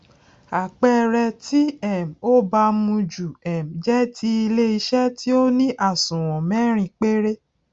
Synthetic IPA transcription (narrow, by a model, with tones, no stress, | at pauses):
a˨k͡pɛ˦ɾɛ˧ti˦ɛ˦˨m̩˨o˦ba˧mũ˧d͡ʒu˨ɛ˨m˨d͡ʒɛ˦tʰi˦i˧le˦i˧ʃɛ˦ti˦o˦nĩ˦ʔa˦˨sũ˨w̃ɔ̃˨mɛ̃˦ɾ̃ĩ˧k͡pe˦ɾe˦